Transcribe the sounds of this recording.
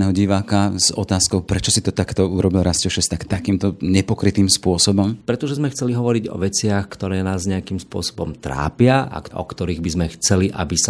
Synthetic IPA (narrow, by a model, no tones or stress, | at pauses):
nɛɦɔɟiʋaːkaz̥ɔt̪aːskɔʊpɾɛt͡ʃɔsit̪ɔt̪akt̪ɔuɾɔbilɾascɛʊʃɛst̪akt̪akiːmt̪ɔɲɛpɔkɾit̪iːmspʊɔsɔbɔmpɾɛt̪ɔʒɛzmɛxt͡sɛliɦɔʋɔɾiɟɔ̰ʋɛt͡sɪaxkt̪ɔɾɛːnaːzɲɛakimspʊɔ̰sɔ̥bɔmt̪ɾa̰ːpɪaʔa̰kʔɔ̰kt̪ɔɾiːɣbizmɛxt͡sɛliʔa̰bisa